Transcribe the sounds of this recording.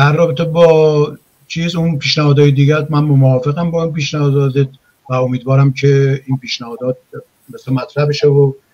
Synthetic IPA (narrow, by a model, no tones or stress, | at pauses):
d̪̥ærːɒːbet̪ʰebɒː | t͡ʃʰiːzunpʰiːʃnæhɒːd̪ɒːjed̪iːɡæɾmænmomɒːfeɣæmbɒːimpiːʃnæhɒːd̪ɒːd̪et̪̚ | væomiːd̪vɒːɾæmcʰeiːnpʰiːʃnæhɒːd̪ɒːt̪̚ | meslɑmæt̪ʰɾæhbeʃevo